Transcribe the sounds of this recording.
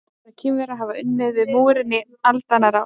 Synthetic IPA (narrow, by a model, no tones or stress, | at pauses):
ɾacʰɛːmɾaðɦaːvaʏnːɪðvɪðmuːwɾɪnːɪ | alt̪anaɾa